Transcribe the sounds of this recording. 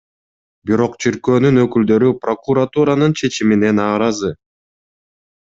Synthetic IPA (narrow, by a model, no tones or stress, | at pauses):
biɾo̞qt͡ʃʰiɾkø̞ːnynø̞kyld̪ø̞ɾypro̞kuɾat̪uɾanɯnt͡ʃʰe̞t͡ʃimine̞nɑːɾɑzɯ